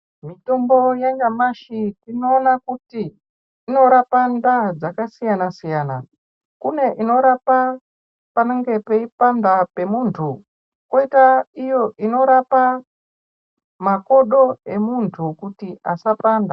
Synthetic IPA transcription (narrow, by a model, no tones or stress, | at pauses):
mito̞mbo̞jeŋɡamaʃitino̞ːnakutiː | no̞ɾapandad͡zakasijanasijaːna̰ | kune̞ʔino̞ɾapa | paneŋɡe̞pe̞ipandape̞muːntʰu | koitaijo̞ʔino̞ɾapa | mako̞ɗo̞e̞muntʰukutiʔasapaːnda